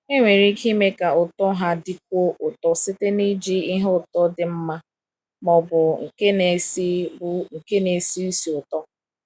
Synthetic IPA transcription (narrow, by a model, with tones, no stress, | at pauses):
e˦ŋʷe˨ɾi˦ki˦me˦ka˨ʊ˨tɔ˦ɦa˦dɪ˦k̚ʷo˦ʔʊ˨tɔ˦sɪ˦te˦ni˦d͡ʒi˦i˦ɦʊ˦˨tɔ˦dɪ˨m̩˦ma˦ | mɔ˨bʊ˨ŋ̩˨ke˦ne˨˦si˦ŋ̩˨ke˦ne˨si˦u˦si˨ʊ˨tɔ˦